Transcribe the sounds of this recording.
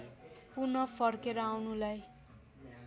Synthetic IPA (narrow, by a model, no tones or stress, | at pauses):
punʌpʰʌrkeɾʌawnulaj